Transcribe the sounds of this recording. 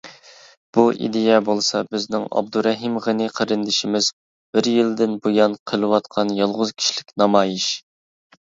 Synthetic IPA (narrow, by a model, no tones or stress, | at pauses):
b̥uʔḭd̪ɪjɛbolˠsɑbɪznɪŋɑ̰b̚d̪uɾɛɦimʁənɨqʰəɾɨnd̪ɪʃimɪz̥ | b̥ɪɾjild̪ɪnbojɑnqʰəlˠɨwɑt̪qʰɑnjɑlˠʁʊz̥kʲʰi̥ʃlɪkʲnɑmɑːjiʃ